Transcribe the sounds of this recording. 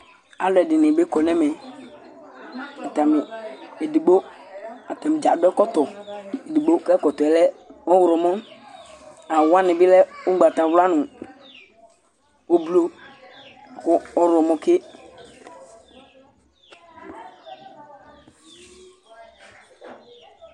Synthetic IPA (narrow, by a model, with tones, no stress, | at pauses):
a˨lʊ˨˦ɛ˨dɪ˨nɪ˨be˦kɔ˨nɛ̃˦mɛ˨ | ɛ˨ta˨mɪ˨e˨di˨ɡ͡bo˦a˨tɛ˨m˨d͡ʒa˨dɛ˦kɔ˦tɔ˨e˨di˨ɡ͡bo˦kɛ˦kɔ˨tɔ˨ɛ˨lɛ˦ɔ˦wɾɔ˨mɔ˦ | a˨wa˦nɪ̃˨bɪ˦lɛ˦ʊ˦ɡ͡ba˨ta˨wla˦nʊ̃˨ | o˦blo˦˨ | kʊ˦ɔ˦ɾɔ˨mɔ̃˦kɪ˦